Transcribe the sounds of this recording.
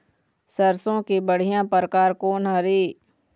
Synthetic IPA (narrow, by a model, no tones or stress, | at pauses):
səɾsõkibəɽ̤ijãpəɾəkaːɾkoːnɦɐɾiː